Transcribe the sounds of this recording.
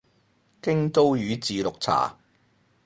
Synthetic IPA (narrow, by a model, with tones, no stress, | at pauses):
kɪ˥ŋt̪o˥wjyː˨˧t͡siː˨lʊ˨k̚t͡sʰa̰ː˨˩